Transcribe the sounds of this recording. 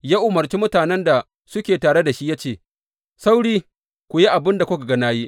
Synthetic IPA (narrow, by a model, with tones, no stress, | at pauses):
jaː˦ʔʊ˨mɐ˨rt͡ʃi˦mʊ˦taː˨nɛ˦nda˨ | sʊ˦kʲeː˨taː˨ɽe˦da˨ʃi˦jaː˦t͡ʃeː˦˨ | sa˦wɽiː˦ | kʷʊ˨ji˦ʔa˨bɪ˦nda˨kʷʊ˦ka˨ɡɐ˦naː˦ji˦ʔ